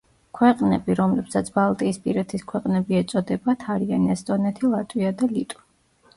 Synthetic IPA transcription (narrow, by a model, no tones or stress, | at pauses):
kʰwɛqʼnɛbiɾɔmlɛpsat̪sʰbalˠt̪ʼiːspʼiɾɛt̪ʰiskʰwɛqʼnɛbiɛt̪sʼɔd̪ɛbat̪ʰaɾianɛst̪ʼɔnɛt̪ʰilˠat̪ʼwiad̪alit̪ʼu̥